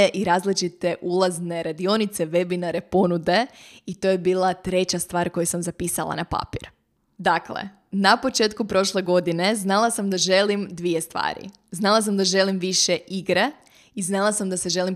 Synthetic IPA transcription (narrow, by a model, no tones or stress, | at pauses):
ʔiɾaːzlit͡ʃit̪e̞ʔulˠazne̞ɾad̪io̞nit̪seʋe̞binaɾe̞po̞nud̪e̞it̪oːjebiːlˠat̪ɾe̞t͡ɕast̪ʋaːɾko̞jusamzapiːsa̰la̰napa̰piɾ | d̪aklḛ | napo̞t͡ʃe̞ːt̪̚kupɾo̞ʃle̞ɡo̞d̪ine̞znalˠasamd̪aʒe̞limd̪ʋije̞st̪ʋa̰ːɾḭ | znalˠas̬amd̪aʒe̞limʋiʃe̞ʔiɡɾe̞ | iznalˠasamd̪aseʒe̞lim